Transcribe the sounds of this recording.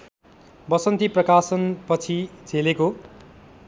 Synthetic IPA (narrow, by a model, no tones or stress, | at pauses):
bʌsʌnt̪iprʌkasʌnpʌt͡sʰid͡zʱeleko